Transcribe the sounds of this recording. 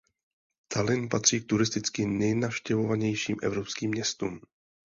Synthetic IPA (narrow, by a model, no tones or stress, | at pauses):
t̪ʰalɪnpat̪r̝̥iːk̚t̪uɾɪst̪ɪt͡skɪnɛjnafʃcɛvo̞vaɲɛjʃiːmʔɛ̰vɾo̞pskiːmːɲɛst̪uːm